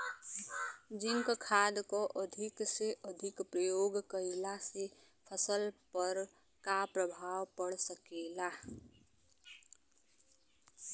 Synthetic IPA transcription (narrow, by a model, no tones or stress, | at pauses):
d͡ʒɪ̃ŋkkʰaːd̪koʔəd̪ʱɪkseʔəd̪ʱɪkpɾəjoːɡkəɪlase | pʰəsəlpəɾ | kapɾəbʱaːwpəɽsəkeːla